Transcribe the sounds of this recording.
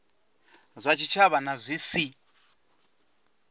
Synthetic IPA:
zʷat͡ʃʰit͡ʃʰaβanazʷisi

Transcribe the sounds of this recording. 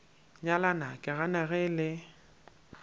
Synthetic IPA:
ɲalanakʼɪɣanaɣɛlɪ

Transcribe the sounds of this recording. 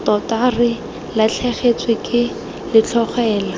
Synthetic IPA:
tɔtarɪ | lat͡ɬʰɛχet͡swɪkʼɪ | lɪt͡ɬʰɔχɛːla

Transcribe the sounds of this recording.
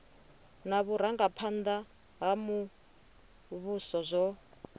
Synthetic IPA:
naβuɾaŋɡapʰand̪a | ɦamu | βusɔzʷɔ

